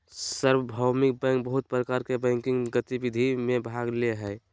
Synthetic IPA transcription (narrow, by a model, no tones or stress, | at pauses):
səɾwəbʱawmɪk̚bɛ̃ːŋk̚bəɦʊt̪̚pɾəkaɾkebɛ̃ŋkɪŋɡɡət̪ibid̪ʱimẽbʱaɡleɦɛɪ